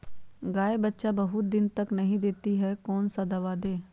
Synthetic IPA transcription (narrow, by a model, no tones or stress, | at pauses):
ɡaːebətːʃabɐɦʊt̪̚d̪ɪnt̪ɐknɐɦĩd̪eːt̪iɦɛkɔːnsad̪ɐʋaːd̪eː